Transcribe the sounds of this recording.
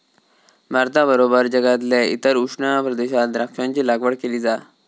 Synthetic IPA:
maɾt̪abəɾobəɾd͡ʑəɡat̪̬leḭt̪əɾuʂɳapɾəd̪eɕat̪ɾakɕãɲt͡ɕiːlaɡʋəɽkeliːd͡za

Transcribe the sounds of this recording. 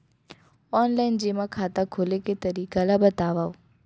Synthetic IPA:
ɔnlajnd͡ʒimãkʰat̪ãkʰoleket̪əɾikalabət̪aʋaʋ

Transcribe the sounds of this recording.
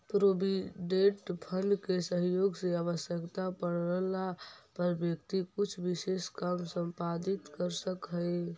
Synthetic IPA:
pɾobiɖeʈpʰənɖkesəɦjoɡseaβəsjəkt̪apəɽəlapəɾbjək̚t̪ikut͡ʃʰbiseskamsəmpad̪it̪kəɾsəkɦəj

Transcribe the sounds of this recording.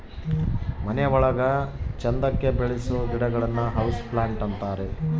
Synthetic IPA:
mɐnejɐʋɔɭɐɡɐt͡ʃɐnd̪ɐkːe̞beɭisuɡ̪iɽɐɡɐɭɐnːuɦɐwsplaːɳʈɐnt̪aːɾe

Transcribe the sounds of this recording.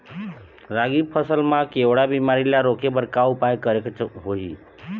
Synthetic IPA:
ɾaɡipʰəsəlmãkewɽabimaɾilaɾokebəɾkaupajkəɾekt͡ʃʰɦoɦḭ

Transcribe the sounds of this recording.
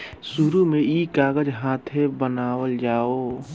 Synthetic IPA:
suɾumẽiːkaːɡəd͡ʒɦãːt̪ʰebənaːwəld͡ʒaːoː

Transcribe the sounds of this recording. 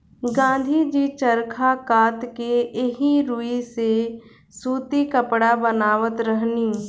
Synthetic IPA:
ɡãːnd̪ʱid͡ʒit͡ʃəɾkʰakaːt̪keɪɦiɾuise | suːt̪ikəpɽabənaːʋət̪ɾəɦniː

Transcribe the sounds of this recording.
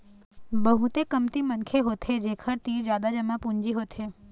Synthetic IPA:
bəɦut̪ekəmt̪imənkʰeɦot̪ʰed͡ʒekʰəɾt̪id͡ʒjad̪ad͡ʒəmãpũɲd͡ʒiɦot̪ʰe

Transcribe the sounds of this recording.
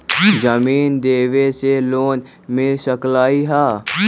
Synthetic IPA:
d͡ʒəmiːnd̪eːʋeseloːn | mɪlsəklaːiɦaː

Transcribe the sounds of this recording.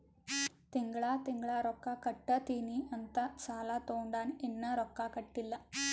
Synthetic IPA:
t̪eŋɡɐɭaːt̪eŋɡɐɭaːɾokːaːkɐʈːɐt̪iniʔɐnt̪ɐt͡ɕaːlaːt̪oːɳɖaːnenːɐɾokːakɐʈːilːɐ

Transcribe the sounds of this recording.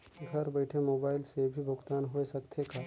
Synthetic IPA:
ɡʱɐɾbɐɪʈʰemoːbaːɪlsebʱibʱʊɡt̪aːnɦoesɐkt̪ʰekaː

